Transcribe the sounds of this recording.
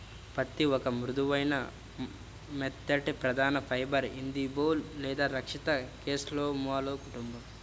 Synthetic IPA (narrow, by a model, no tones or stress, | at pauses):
pɐt̪ːiɔkɐmɾud̪uʋɐjnɐ | met̪ːɐʈepɾɐd̪ʱaːnɐpʰɐjbɐɾind̪iboːllɛːd̪aːɾɐkʂit̪ɐkeːsloːmʋaːloːkuʈumbɐm